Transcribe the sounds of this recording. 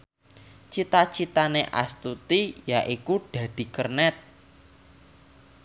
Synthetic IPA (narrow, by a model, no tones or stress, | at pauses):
t͡ʃit̪at͡ʃit̪aneʔa̰st̪ut̪ijaʔikuɖ̥a̤d̪̥i̤kərnɛt̪̚